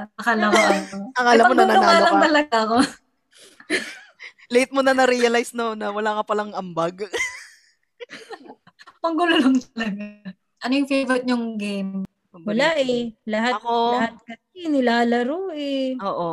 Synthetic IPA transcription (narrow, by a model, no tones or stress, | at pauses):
ɐkɐlɐkoʔɐtoɐŋʔɐlɐmmːonɐnɐonaːllɐŋt̪ɐlɐɡaʔɐko | let̪̚monɐnɐɾijɐlajsnonɐwɐlakɐpɐlɐŋʔɐmbaɡ | poŋɡʊlʊloŋt̪ɐlɐɡa | ʔɐnojʊŋfevɛɾt̪̚ɲʊŋɡejm | wɐlaʔɛlɐɦatɐkohat̪̚kɐ | inɪlaːlɐɾoːʔɛoːʔo